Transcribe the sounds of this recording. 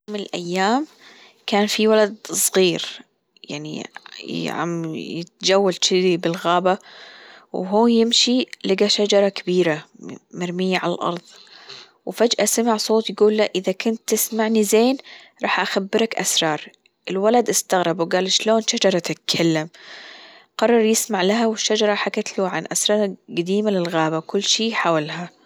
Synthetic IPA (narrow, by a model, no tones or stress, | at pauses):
mɪnɪlʔa̰jːaːm | kaːnfiwalad̪̚sˤɣiːɾ | ja̰ʕnḭ | ʕa̰mjɪt̪̚d͡ʒawːalʃɪibɪlɣaːba | wɦuːjɪmʃilɪɡaʃad͡ʒɑɾˤɑkabiːɾamaɾmɪjːaʕalalʔɑ̰ɾˤðˤ | wfad͡ʒʔasamaʕsˤoːt̪jɡuːlːaʔɪðakʊnt̪ːɪsmaʕnizeːn | ɾˤɑːħʔaxabːɪɾakʔa̰sɾˤɑːɾˤ | ʔɪlwalad̪ʔɪst̪aɣɾˤɑbwɡaːlʃloːnʃad͡ʒɑɾˤɑt̪ɪt̪̚kʰalːam | qɑrˤːɑɾˤjɪsmaʕlaɦawɪʃːad͡ʒɑɾˤɑħakat̪luːʕa̰nʔasɾˤɑˤɡad̪iːmalɪlɣaːbakʊlːʃiːħaːwalha